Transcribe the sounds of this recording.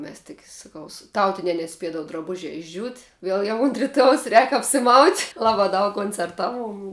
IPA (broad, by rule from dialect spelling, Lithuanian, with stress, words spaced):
ˈmʲɛs tʲɪk sɐˈkɐʊ sʊ ˈtɐʊtʲɪnʲɛ nʲɛˈsʲpʲiɛdɐʋʊ drɐˈbʊʒʲɛ ɪʒʲˈd͡ʒʲuːt ˈʋʲiɛlˠ jɛʊ ʊnt rʲɪˈtuɔjɛʊs rʲɛːk ɐpʲsʲɪˈmɐʊtʲ ˈlˠɑːbɑː dɐʊk koːnʲt͡sʲɛrˈtɑːˌʋuɔm